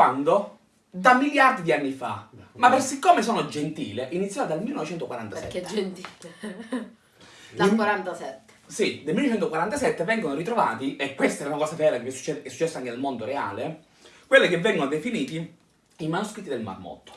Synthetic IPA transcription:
kwand̪o | d̪amiljaɾd̪id̪ianːifamapːersikːoːmesoːnod͡ʒent̪ḭːleʔinit̪sːjɔd̪almilːnɔvet͡ʃɛnt̪okwaɾant̪asɛ̰nt̪il | akwaɾant̪asɛt̪ːe̥sid̪elmilnːɔet͡ʃɛnt̪okwaɾant̪asɛt̪ːevɛŋɡonoɾit̪ɾovaːt̪iekːwest̪aɛɾaunakɔːsavɛːɾakevɛsu̥t͡ʃːɛɛsːut͡ʃːɛsːoaŋked̪elmond̪oɾea̰ːle | kwelːekevːɛŋɡonod̪efiniːt̪i | imanuskɾit̪ːid̪elma̰rmɔ̰t̪ːo̥

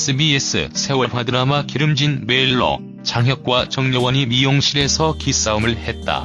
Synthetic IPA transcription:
s͈ʰɯbies͈ɯ̰sʰe̞wʌɸadɯɾamakiɾɯmd͡ʑinme̞iɭːʌ̰ | t͡ɕaŋɦjʌk̚k͈wat͡ɕʌŋɲʌwʌɲimijoŋɕʰiɾe̞sʰʌkis͈aumɯɭhe̞t̚t͈a̰

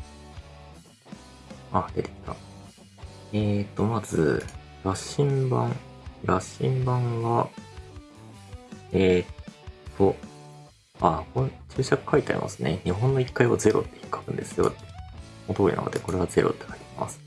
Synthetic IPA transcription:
ad̪et̪e̥kt̪ːa̰ | eːt̪ːo̞mazɨ̰ | ɾaɕĩmbã̰ŋɾaɕḭ̃mbãɰ̃βa | etʰːo | akot͡ɕɨːɕakɯ̟̥kait̪ea̰ɾḭmʔa̰sɨne̞̰ɲiɦõ̞nːo̞ikːaiβaze̞ɾo̞̰t̪ːe̞̥çikːḁkɯ̟̃nd̪e̞sɨjo̞̰t̪ː | ot̪oːɾḭna̰ka̰t̪eko̞ɾe̞β̞aze̞ɾʔo̞̰t̪ːe̞kai̥t̪aima̰sɨ̥

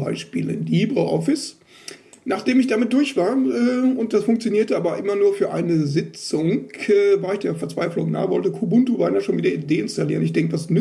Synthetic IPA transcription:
a̰ɪʃpḭːləndiːbʁəʔɔ̰fɪs | naːχd̥eːmɪçd̥amɪt̚d̥ʊɐçv̥aːɐʔɛːʊnt̚d̥asfʊŋk̚t͡sjoniːɐtəʔaːbɐʔɪmɐnuːɐfyːɐʔa̰ɪnəzɪt͡sʊŋkʔɛːvaːɐɪçd̥eːɐfɛɐt͡sv̥aɪflʊŋna̰ːvɔ̰ltəkʰubʊntuvanjaʃoːnviːdɐʔideːɪnstaliːʁənɪçd̥ɛŋkəvasn

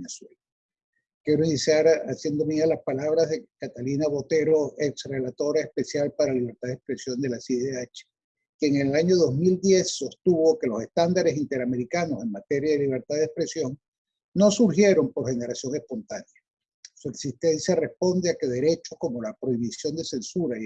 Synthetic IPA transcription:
neswel | kje̞ɾoinisjaɾasje̞nd̪omialaspalaβ̞ɾazðekat̪alinaβo̞t̪e̞ɾo̞eksre̞lat̪o̞ɾaespe̞sjalpaɾaliβ̞e̞ɾt̪aðespɾesjo̞nd̪e̞lasieat͡ʃe̥ | keŋe̞laɲo̞ðo̞zmild̪je̞sːo̞st̪uβo̞ke̞lo̞se̞st̪and̪aɾe̞sint̪e̞ɾame̞ɾikano̞se̞ŋmat̪e̞ɾjaðe̞liβ̞e̞ɾt̪aðespɾe̞sjo̞ŋ | no̞suɾxje̞ɾo̞mpo̞ɾxe̞ne̞ɾasjo̞ŋespo̞nt̪anja | sueksist̪e̞nsjare̞spo̞nd̪e̞ake̞ðe̞ɾe̞t͡ʃo̞sko̞mo̞lapɾo̞iβ̞isjo̞nd̪e̞se̞nsuɾa

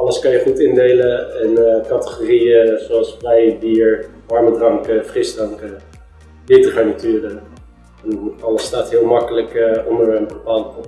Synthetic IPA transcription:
ɑləskɑnjəχutɪndejləɛnkɑtə̥χoːrijəzoɑlˠsflɛjbiːɹʋɑɹmədrɑŋkəfrɪsdrɑŋkə | betəχanityːrə | ɛnɑləstaːtɦɪːlˠmɑkələkɔndəɹənbəpaːlˠ

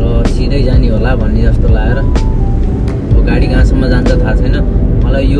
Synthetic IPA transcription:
rʌsiɾʌjd͡zaniɦolabʱʌnːed͡zʌst̪olaeɾʌ | ʌɡaɽiɡʱãsʌmːʌd͡zant͡sʰʌt̪ʰat͡sʰʌjnʌmʌlajjo

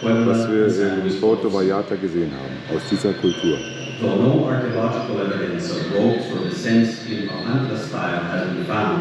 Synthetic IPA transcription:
wɛvassviːɐɪ̃mfotovajaːtʰaɡəzeːənha̰ːbm̩aʊsd̥iːzɐkʰʊltʰuːɐ | ðənõʊ̃nɑɹkiəlɑd͡ʒɪkl̩ˠɛvɨɾɨ̃nsʌvɹoʊtsə˞ðɨsɛ̃ns | ɪ̃nəʔãntˡəstaɪlˠɨzbɨ̃nfãʊ̃nd

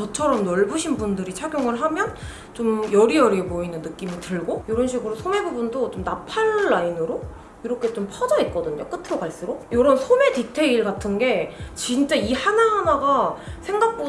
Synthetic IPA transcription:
t͡ɕʌt͡ɕʰʌɾʌmnʌɭbuɕʰinbundɯɾit͡ɕʰaɡjoŋɯɭɦamjʌn | t͡ɕomjʌɾijʌɾiemoinɯnːɯk͈imitɯɭɡojoɾʌnɕʰiɡɯɾosʰome̞bubundot͡ɕomnapʰaɭːainɯɾo | iɾʌkʰe̞t͡ɕompʰʌd͡ʑʌit̚k͈ʌdɯɲok͈ɯtʰɯɾʌɡaɭs͈uɾojoɾʌnsʰome̞titʰe̞iɭɡatʰɯnɡe̞t͡ɕint͡ɕ͈aihanaɦanaɡasʰe̞ŋɡak̚p͈o

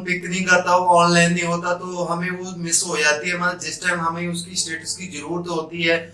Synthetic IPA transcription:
pɪknɦĩkat̪aoɔːnlaːɪnːĩɦoːt̪at̪oɦɐmẽʋomɪsɦoːd͡ʒaːt̪iɦɛmãd͡ʒɪsʈaːɪmɦɐmẽʊskisʈeːʈəskid͡ʒɐɾuːɾət̪ɦoːt̪iɦɛː

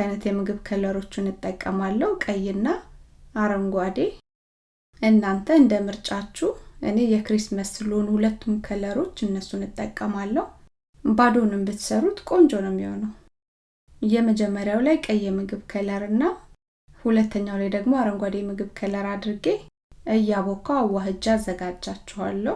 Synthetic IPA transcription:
ajnət̪jɛmɨɡɨβkʰələɾo̞t͡ʃːɪnɨt̪ʼːəkʼːəmalːəhukʼəjːnːa | aɾəŋɡʷad̪e̞ | ʔɨnːant̪ʰəɨnd̪əmɨɾt͡ʃʼat͡ʃːuʔɨ̰ne̞jɛkɾisməsɨlonhulət̪ːumkʰələɾo̞t͡ʃːɨnːəsunɨt̪ʼːəkʼːəmalːəhu | bad̪onɨmbɨt̪səɾːut̪kʼo̞nd͡ʒo̞nəmːihonəw | jɛməd͡ʒɛmːəɾjawlajkʼəjːɛmɨɡɨβkʰələɾɨnːa | hulət̪ʰːəɲːawlajd̪əɡmoaɾəŋɡʷad̪e̞mɨɡɨβkʰələɾad̪ɾɨɡe̞ | ʔɨjːaβokʰawaɦɨd͡ʒazːəɡad͡ʒːat͡ʃːɛha̰lːəh

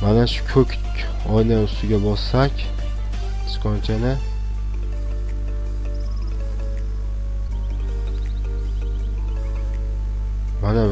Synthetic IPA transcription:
manaʃʊ̥kʲʰɵk̪ʲʰ | ɒjnaʊst̪ɪɡʲabɒsːakʲ | t̪ʰɪ̥skʰɒnt͡ʃʰanɪ | mana

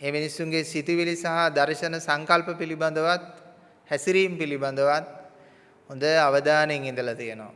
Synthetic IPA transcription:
eːminisːuŋɡesit̪iʋilisaɦad̪aɾʃənəsaŋkalpəpiliband̪əʋat̪̚ | hɛsiɾiːmpiliband̪əʋat̪̚ | hond̪əaʋəd̪aːneŋind̪əlat̪ijənoʋa̰

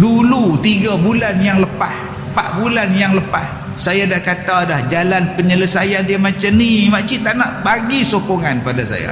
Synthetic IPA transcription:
dulut̪iɡabulanjaŋləpah | paʔbulanjaŋləpas | sajadahkat̪adahd͡ʒalanpəɲələsajandiamat͡ʃamnimaʔt͡ʃit̪aʔnaʔbaɡisokoŋanpadasa̰ja̰

